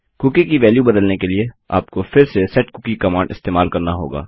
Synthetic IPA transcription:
kʊkikiʋɛːljubɐd̪əlnekelie | a̰ːpkofɪɾsesɛʈkʊkikɐmãːɳɖɪ̰st̪eːmaːlkɐɾnaɦo̰ːɡa̰ː

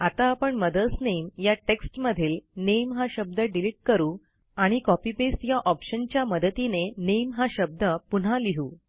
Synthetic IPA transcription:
at̪aːpəɳməd̪əlsnejmjaʈeksʈməd̪ʱiːlnejmɦaɕəb̚d̪əɖiliʈ̚kəɾuː | aɽ̃ikɔpibesʈjaʔɔpɕənt͡ɕjaməd̪ət̪inenejmɦaɕəb̚d̪əpun̤aliɦuː

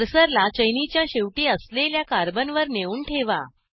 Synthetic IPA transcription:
ɾsəɾlat͡ɕəjnit͡ɕjaɕeʋʈiːəsleljakaɾbənʋəɾneuːɳʈʰeʋa̰

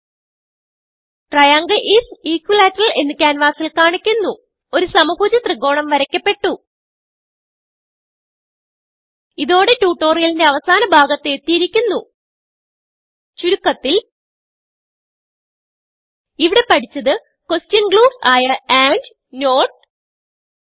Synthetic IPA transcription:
ʈrɐjaːŋɡɐʔisiːkːwilaːtːɐrɐle̞nːikʲːaːnʋaːsilkaːɳikʲːunːu | o̞ɾusɐmɐbuːd͡ʑɐt̪rɨɡo̞ːɳɐmʋɐɾɐkʲːɐpːe̞ʈːu | iðo̞ːɽe̞tuːʈːo̞ːrijɐlinde̞ɐʋɐsaːnɐbʱaːɡɐt̪ːe̞ːt̪ːijiɾikʲːunːu | t͡ɕuɾukːɐt̪ːil | iʋiɽe̞pɐʈʰit͡ɕːɐðɨ | kostjɐnɡɭuːfaːjɐaːɳɖ | no̞ːʈ̚

